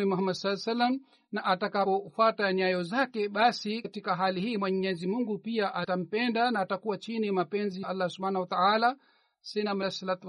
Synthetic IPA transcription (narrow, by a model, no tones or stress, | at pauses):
imuɦamːadsalːsalːam̩ | naʔatakapɔfwataɲajɔzakɛɓasikatikaɦalihiːmwɛɲɲɛzimuŋɡupiaʔatam̩pɛndanaːtakuwat͡ʃinimapɛnziʔalːasubhaːnahuwat̪aala | sɛnamsalat̪u